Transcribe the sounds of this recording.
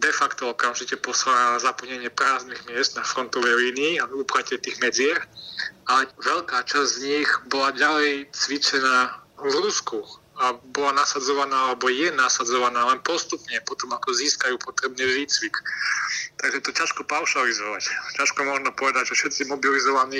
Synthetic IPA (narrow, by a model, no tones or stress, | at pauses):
d̪ɛfakt̪ɔɔkamʒicɛpɔsaɾalazapl̩ɲɛɲɪɛpɾaːzniɣmɪɛszd̪̚nafɾɔnt̪ɔʋɛjliːniiːavuːplacɛt̪iːɣmɛd͡zɪɛxalɛʋɛʎkaːt͡ʃazʲzɲiɣbɔlaɟalɛjt͡sʋit͡ʃɛnaːvɾusku | abɔlanasad͡zɔʋanaːalɛbɔjɛnasad͡zɔʋanaːlɛnpɔst̪upɲɛpɔt̪ɔmakɔziːskajuːpɔt̪ɾɛbnɛʒict͡sʋik | t̪aɡʒɛt̪ɔcaʃkɔpaʊʃalizɔʋaccaʃkɔmɔʒnɔpɔʋɛd̪aɟʒɛfʃɛt̪t͡simɔbilizɔʋaniː